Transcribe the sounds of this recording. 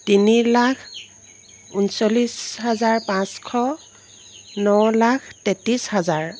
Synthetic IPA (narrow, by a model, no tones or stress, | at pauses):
tinilakʰ | unsolisɦazaɹpãskʰɔ | nɔwlakʰtetishazaɹ